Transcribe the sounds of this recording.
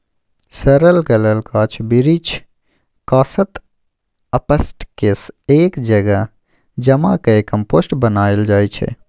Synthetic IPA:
səɾəlkələlkaːt͡ʃʰbiɾit͡ʃʰ | kaːsət̪ | ɐpəsʈkeseːkd͡ʒɐɡa | d͡ʒɐmakɐekɐmpoːsʈbənaːeld͡ʒaːjt͡ʃʰḛ

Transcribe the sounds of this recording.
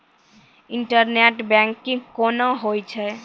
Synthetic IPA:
ɪɳʈəɾneʈbɛ̃ŋkːĩŋkonaɦojt͡ʃʰɛ

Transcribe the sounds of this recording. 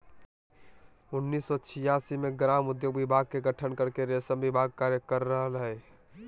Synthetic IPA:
ʊnːiːsːɔt͡ʃʰɪjaːsimẽɡɾaːmʊd̪joːɡʋɪbʱaːɡ̚keɡəʈʰənkəɾkeɾesəmʋibʱaːɡ̚kaːɾjəkəɾːəɦlɦe

